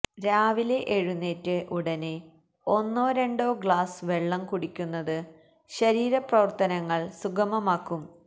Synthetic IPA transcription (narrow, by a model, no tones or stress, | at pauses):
ɾaːʋile̞ʔeɻunːetːɨʔuɽɐne | o̞nːoːɾe̞ɳɖo̞ːɡɭaːsʋe̞ɭːɐmkuɽikʲːunːɐðɨ | ɕɐɾiːɾɐprɐʋɐrt̪ɐnɐŋːɐɭsuɡɐmɐmaːkːum